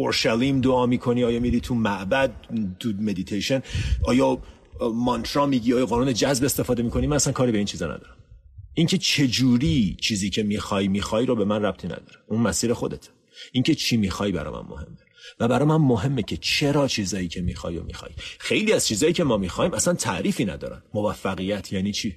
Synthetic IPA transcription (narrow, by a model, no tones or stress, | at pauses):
oɾʃælimd̪oɒːmiːkʰo̞niɒːjɒːmiɾiːt̪ʰumæʔbæd̪̚t̪ume̞d̪it̪ʰejʃe̞nʔɒːjɒː | mɒnt̪ʰɾɒːmiːɟiɒːjɒːɣɒːnuːne̞d͡ʒæzbe̞st̪e̞fɒːd̪e̞miːkʰo̞nimænæsænkʰɒːɾibeint͡ʃʰiːzɒ̰nʔæ̰d̪ɒ̰ːɾæmʔiŋcʰe̞t͡ʃʰe̞d͡ʒuːɾiːt͡ʃʰiːziːcʰe̞miːxɒːjmiːxɒːjɾobe̞mænræb̚t̪ʰiːnæ̰d̪ɒ̰ːɾeʔunmæsiːɾexo̞d̪et̪ʰ | ʔiŋcʰe̞t͡ʃʰiːmiːxɒjbæ̰ɾɒ̰ːmæ̰nmo̰he̞mːevæbæɾɒːmænmoɦe̞mːecʰe̞t͡ʃʰe̞ɾɒːt͡ʃʰiːzɒːjiːcʰe̞miːxɒ̰ːjo̰mḭːxɒ̰ːjxe̞jliːæz̥t͡ʃʰiːzɒːjiːcʲʰe̞mɒːmixɒːhiːmæsænt̪ʰæʔɾiːfiːnæ̰d̪ɒːɾæ̰nmovæfːæɣijæt̪ʰjæːniːt͡ʃʰiː